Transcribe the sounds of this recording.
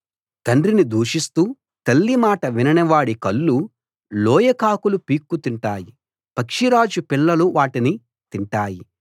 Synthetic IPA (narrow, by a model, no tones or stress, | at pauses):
t̪ɐɳɖɾinid̪uːʂist̪uː | t̪ɐlːimaːʈɐʋinɐnɐʋaːɽikɐlːu | lɔːjɐkaːkulupiːkːut̪iɳʈaːji | pɐkʂiɾaːd͡ʒupiɭːɐluʋaːʈini | t̪iɳʈaːji